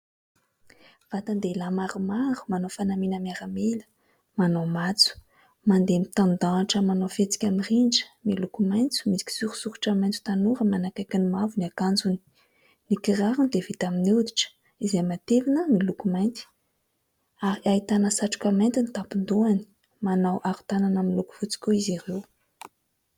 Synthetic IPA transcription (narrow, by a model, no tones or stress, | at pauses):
v̥at̪and̪elamaɾumaɾu̥manofanaminamiaɾamelə̥ | manomat͡su̥ | mand̪emit̪and̪aʈ͡ʂəmanofet͡si̥kʲamirind͡ʒə̥milukumajnt͡su̥misi̥kʲi̥suɾu̥suku̥ʈ͡ʂamajnt͡su̥t̪anuɾəmanakajkʲinimavuniakand͡zuni̥ | nikiraɾund̪evit̪aminid̪i̥ʈ͡ʂə̥ | izejmat̪evinəmilukumajnt͡s̪i̥ | aɾiaɦit̪anəsaʈ͡ʂu̥kʲamajnt̪init̪apind̪uani̥ | manawʔaɾu̥t̪ananamiluku̥vut͡si̥kʲuizirew